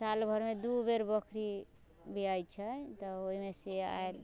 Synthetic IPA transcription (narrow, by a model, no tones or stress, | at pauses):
salbʱəɾmed̪ubeɾbəkʰɾi | biajt͡ʃʰət̪ɔoɦimesea̰el